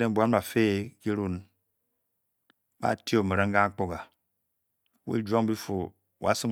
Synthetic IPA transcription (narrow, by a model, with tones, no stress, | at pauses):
e˨m˨bʷa˦n˦ba˨fe˦˨ki˦ɾu˦n | ba̰˦˨ti˦o˦˨me˨ɾe˦ŋ˦ɡa˦k͡po˦˨ɡa˨ | wḭ˦d͡ʒʷo˦ŋ˦bi˦fo˨ | wa̰˦sɨ˦ŋ